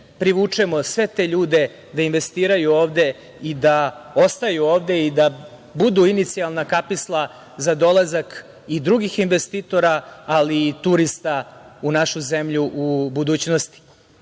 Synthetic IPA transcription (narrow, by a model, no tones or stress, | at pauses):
pɾiʋuːt͡ʂemo̞sʋe̞t̪eːʎuːd̪e̞ | d̪ainʋe̞st̪iːɾajuoːʋd̪e̞ | id̪ao̞st̪ajuoːʋd̪e̞id̪a | bud̪uinit̪sialˠnakapislˠa | zad̪o̞lazak | id̪ɾuɡixinʋest̪it̪o̞ɾaalit̪uɾist̪aunaʃuzemʎuʔubud̪uːt͡ɕnost̪i̥